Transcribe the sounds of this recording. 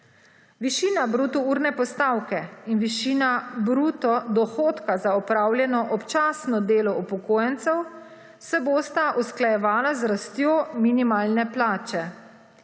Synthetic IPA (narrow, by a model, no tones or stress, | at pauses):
ʋiʃiːnabɾuːt̪ɔuːɾnɛpɔst̪aːwkɛinʋiʃiːnabɾuːt̪ɔd̪ɔxoːt̪kazaɔpɾaːwljɛnɔʔɔpt͡ʃaːsnɔd̪eːlɔupɔkoːjɛnt̪sɛw | sɛboːst̪aʔusklajɛʋaːlazɾast̪joːminimaːlnɛplaːt͡ʃɛ